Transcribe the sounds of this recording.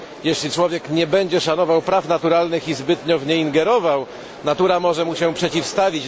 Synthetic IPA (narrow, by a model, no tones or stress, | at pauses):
jɛɕlʲit͡ʂwɔvʲjɛkɲɛbɛɲd͡ʑɛʂanɔvawpɾafnat̪uɾalnɘxizbɘt̪ɲɔvɲɛiŋɡɛɾɔvaw | nat̪uɾamɔʐɛmuɕɛpʂɛt͡ɕifst̪avʲit͡ɕ